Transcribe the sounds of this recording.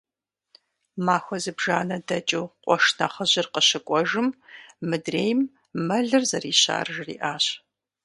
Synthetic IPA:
maːxʷɔzɨbʒaːnɐdɐt͡ʃʼuːqʷɔʂnɐχəʑɪrqəɕɪkʷʼɔʒɨmmɨdreːjm | mɐɮɨrzɐriːɕa̰ːrɨʒrḭːʔaːɕ

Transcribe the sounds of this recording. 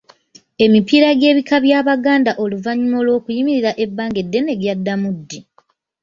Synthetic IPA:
e̞mipiɾaɡe̞ːβikaβjaːβaɡaːndaʔo̞luvaɲimo̞lwo̞ːkujimiɾiɾaʔe̞bːaːŋɡe̞dːe̞ne̞ɡjadːamudːi

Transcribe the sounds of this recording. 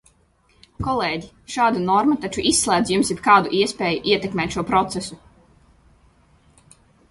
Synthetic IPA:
kɔlˠeːɟi | ʃaːd̪unɔɾmat̪at͡ʃuʔisːlˠæːd̪zjumsjipkaːd̪uʔiɛspeːjuʔiɛt̪ɛkmɛːt̪ʃuɔpɾɔt̪sesu

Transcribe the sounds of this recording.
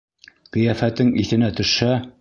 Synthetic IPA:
qĭjæfæt̪ɘŋiθɘ̆næt̪ɵ̆ʃæ

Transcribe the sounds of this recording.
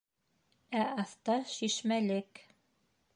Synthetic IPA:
æɑθt̪ɑʃiʃmælɘk

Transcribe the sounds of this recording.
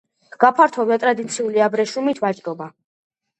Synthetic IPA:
ɡ̥apʰaɾt̪ʰɔviat̪ʼɾad̪it̪sʰiuliabɾɛʃumit̪ʰvat͡ʃʼɾɔba

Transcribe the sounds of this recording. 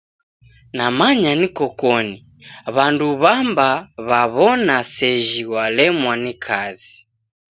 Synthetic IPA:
namaɲanikɔkɔni | βanduβambaβaβɔnasɛʒiwalɛmwanikʰazi

